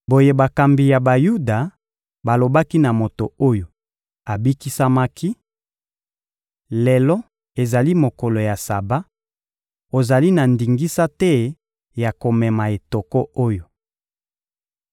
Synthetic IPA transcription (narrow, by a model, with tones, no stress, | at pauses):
bo˨je˦ba˨ka˨mbi˨ja˨ba˨ju˦da˨ | ba˨lo˨ba˦ki˦na˨mo˨to˨o˦jo˨ | a˨bi˦ki˦sa˦ma˦kʰi˦ | lɛ˨lɔ˦ | e˨za˨li˦mo˨ko˨lo˨ja˨sa˨ba˦ | o˨za˨li˦na˨ndi˨ŋɡi˦sa˦tɛ˦ | ja˨ko˨mɛ˨ma˨e˨to˨kɔ˦o˦jo˨